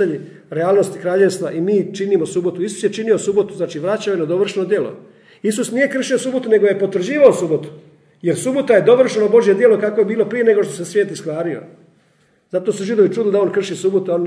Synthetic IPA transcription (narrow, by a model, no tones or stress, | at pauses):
aɲi | ɾeaːlˠno̞st̪i̥kɾaːʎe̞ʋst̪ʋaʔimiːt͡ʃinimo̞subo̞t̪uisu̥sjet͡ʃinio̞subo̞t̪uznaːt͡ʃiʋɾat͡ɕaojenad̪o̞ʋr̩ʃenod̪je̞lo̰ | isusnije̞kr̩ʃiosubo̞t̪une̞ɡoje̞pot̪ʋɾ̩d͡ʑiːʋaosubo̞t̪u̥ | je̞ɾsubo̞t̪aje̞d̪o̞ʋr̩ʃeno̞bo̞ʒje̞d̪jelo̞kako̞jebiːlo̞pɾije̞ne̞ɡo̞ʃt̪ose̞sʋje̞ːt̪iskʋaːɾio̰ | zat̪oːsuʒid̪o̞ʋit͡ʃuːd̪lid̪ao̞nkr̩ʃisubot̪uoːn